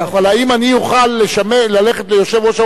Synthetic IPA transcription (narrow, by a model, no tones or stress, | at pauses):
avalaimanijuχalːeʃamelaleχet̪lejo̞ʃevʁoʃa